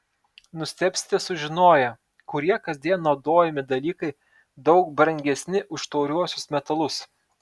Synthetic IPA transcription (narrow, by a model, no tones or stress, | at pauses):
nʊsʲt̪ʲɛpʲsʲɪ̥t̪ʲɛsʊʒʲɪnoːjɛ | kʊɾʲiɛkɐzʲd̪ʲiɛnːɒʊd̪oːjɛmʲɪd̪ɐlʲiːkɐɪ | d̪ɒʊkbɾɐŋʲɡʲɛsʲnʲɪʔʊʃt̪ɒʊɾʲuɔsʲʊsmʲɛt̪ɐlˠʊs